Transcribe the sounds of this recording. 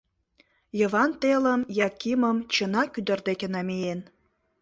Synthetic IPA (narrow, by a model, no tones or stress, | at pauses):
jə̆vɑnt̪elə̆mjɑkiməmt͡ɕənɑkyd̪ə̆rd̪ekʲĕnɑmejen